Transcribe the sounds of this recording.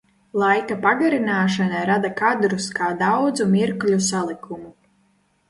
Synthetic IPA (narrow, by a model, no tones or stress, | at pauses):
lˠajkapaɡaɾinaːʃanajɾad̪akad̪ɾuskaːd̪awd̪zumiɾklʲusalˠikumu